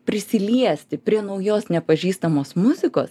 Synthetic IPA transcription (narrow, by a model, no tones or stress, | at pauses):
pʲɾʲɪsʲɪlʲiɛsʲt̪ʲɪpʲɾʲiɛnɐʊjoːsnʲɛpɐʒʲiːst̪ɐmoːsmʊzʲɪko̰ːs